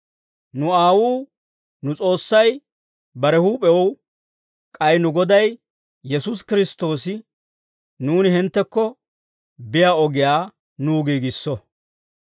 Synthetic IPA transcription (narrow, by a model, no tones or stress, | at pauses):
nʊaːwuː | nʊt͡sʼo̞ːsːɐj | bɐɾɛhuːpʼɛwɔw | kʼɐjnʊɡɔd̪ɐj | jɛsus̬kɪɾɪst̪o̞ːsɪ | nuːnɪɦɪnt̪ːɛkːɔ | bɪjaːɔɡɪjaː | nuːɡiːɡɪsːɔ